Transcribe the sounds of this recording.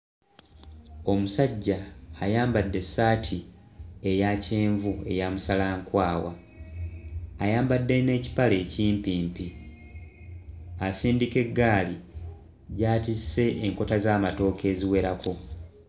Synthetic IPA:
o̞musaɟːaːjaːmbadːe̞saːtʰie̞jace̞ːɱvue̞̰jamusalaːŋkwaːwa̰ | jaːmbadːe̞ne̞ːci̥pale̞ːciːmpiːmpi | asiːndike̞ɡːaːli | ɟaːtisːe̞ʔːŋko̞tazaːmato̞ːke̞ːziwe̞ɾakʰo̞

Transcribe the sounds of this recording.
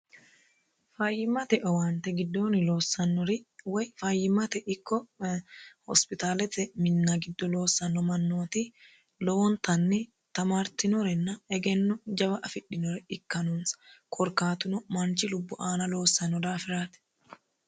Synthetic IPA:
fajɪmɐt̪ɛʔɔwant̪ɛɡɪd̪ːo̞ːnɪlo̞ːsːɐnːɔɾɪwɐjfajːɪmɐt̪ɛʔɪkːɔ | hɔ̰spɪt̪aːlɛt̪ːɛmɪnːaɡɪd̪ːɔlo̞ːsːɐnːɔmɐnːoːt̪i | lɔwɔnt̪ɐnːɪ | t̪ɐmaːɾt̪ɪnɔɾɛnːɐɛɡɛnːɔd͡ʒɐbɐʔɐfɪɗːɪnɔɾɛɪkːɐnunskʰɔɾkaːt̪ʊnɔmɐnt͡ʃɪlʊbːʊʔaːnɐlo̞ːsːɐnːɔd̪aːfɪɾaːt̪ɛ̥

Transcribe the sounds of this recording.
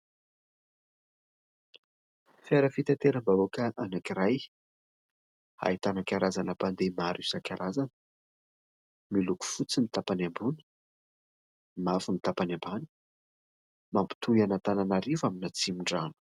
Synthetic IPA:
feɾəfit̪at̪eɾəmbaokəʔanakiɾaj | ha̰it̪anakʲaɾazanapand̪emaɾusakʲaɾʔazanə̥ | miluku̥fut͡simit̪apanambunə̥ | mafimit̪apanambani̥ | mampi̥t̪ujanat̪ananaɾivaminat͡simiɳɖ͡ʐanu̥

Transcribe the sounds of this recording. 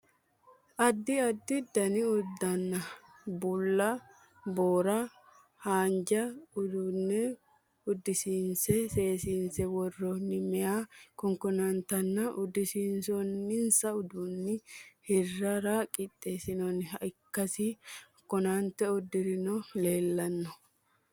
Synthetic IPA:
ʔɐd̪ːɪɐd̪ːɪd̪ɐnɪʊd̪ːɐnːɐ | bʊlːɐ | boːɾɐ | haːnd͡ʒɐʊd̪ʊnːɛ | ʊd̪ːɪsiːnsɛse̞ːsiːnsɛwɔrːɔnːɪmɛjaːkɔŋkɔnɐnt̪ɐnːɐʔʊd̪ːɪsiːnsɔnːɪnsɐʊd̪ʊnːɪhɪrːɐɾakʼɪt̪ʼːeːsɪnɔnɪɦɐɪkːɐsi | kːɔnant̪ɛʊd̪ːɪɾɪnɔle̞ːlːɐnːɔ

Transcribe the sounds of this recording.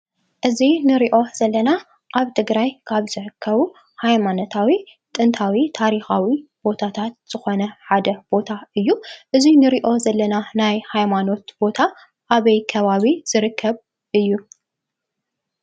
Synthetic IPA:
ʔɨzinɨɾiʔo̞z̥ɐlːɐna | ʔaβt̪ʰɨɡɾajkʰaβzɨʕɨkʰːɐβu | hajmano̞t̪ʰawi | t̪ʼɨnt̪ʰawit̪ʰaɾixawibo̞t̪ʰat̪ʰat̪̚z̥ɨxo̞nɐħad̪ɐb̥o̞t̪ʰaɨjːuʔɨzinɨɾiʔo̞zɐlːɐnanajhajmano̞t̪b̥o̞t̪ʰa | ʔaβɐjkʰɐβaβiz̥ɨɾɨkʰːɐβ | ʔɨjːu

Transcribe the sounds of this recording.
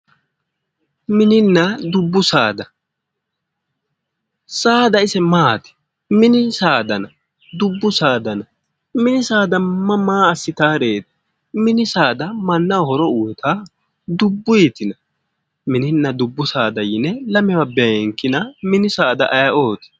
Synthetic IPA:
mɪnɪnːɐd̪ʊbːʊsaːd̪ɐ | saːd̪ɐɪsɛmaːt̪ɪ̥ | mɪnɪsaːd̪ɐnɐ | d̪ʊbːʊsaːd̪ɐnɐ | mɪnɪsaːd̪ɐmɐmaːɐsːɪt̪aːɾeːt̪ɪ̥ | mɪnɪsaːd̪ɐmɐnːɐɔhɔɾɔʊwɛt̪ʰa | d̪ʊbːʊjit̪ɪnɐ | mɪnɪnːɐd̪ʊbːʊsaːd̪ɐjɪnɛlɐmɛwɐbɛɐɛŋkːɪnɐmɪnɪsaːd̪ɐʔɐjɐʔoːt̪ɪ̥

